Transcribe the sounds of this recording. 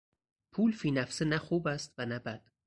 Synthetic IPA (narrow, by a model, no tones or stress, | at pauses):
pʰuːlfiːnæfsenæxuːbæst̪vænæbæd̪̥